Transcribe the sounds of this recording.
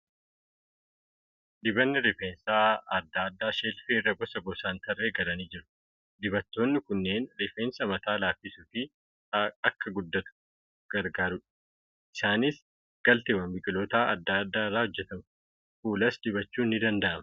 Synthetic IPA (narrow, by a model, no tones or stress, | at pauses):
d̪ɪbɐnːɪɾɪfeːnsaːɐd̪ːaːɐd̪ːaːʃeːlfiːrːɐɡɔsɐɡɔsaːnt̪ɐrːe̞ːɡɐlɐniːd͡ʒɪɾʊ̥ | d̪ɪbɐt̪ːo̞ːnːɪkʊnːe̞ːnɾɪfeːnsɐmɐt̪aːlaːfɪsufɪ | ɐkːɐɡʊd̪ːɐt̪ʊ̥ | ɡ̥ɐɾɡaːɾʊᶑ | ɪsaːnɪs | ɡ̥ɐlt̪ebɐmbɪɡʼɪlo̞ːt̪aːʔɐd̪ːaːɐd̪ːaːɪrːaːhɔd͡ʒːɛt̪ɐmɐ | fuːlɐsd̪ɪbɐt͡ʃːuːnːɪd̪ɐnd̪ɐʔɐmɐ̥